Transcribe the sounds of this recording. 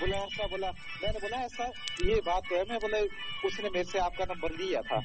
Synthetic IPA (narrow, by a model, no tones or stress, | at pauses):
boːlaõsaboːla | mɛ̃ːneboːlaɛːsajebaːt̪̚kəmɛ̃boːlaiʊsnemeːɾeseaːp̚kanambəɾd̪ijat̪ʰa̰ː